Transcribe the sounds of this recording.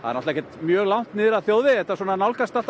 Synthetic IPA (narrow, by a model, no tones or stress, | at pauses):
ha̰ðɛɾnɔht̪aɛçcːɛt̪mjœːɣlawn̥t̪nɪɾaðθjowðɪɛht̪asɔːnanawlkast̪at̪